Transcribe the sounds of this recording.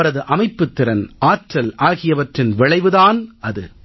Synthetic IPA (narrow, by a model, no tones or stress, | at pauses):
ɐɾɐðɯʔɐmɐɪpːɯt̪ːɪɾɐnʔaːʈrɐlaːɣɪjɐʋɐʈrɪnʋɪɭɐɪʋɯðaːnɐðɯ̰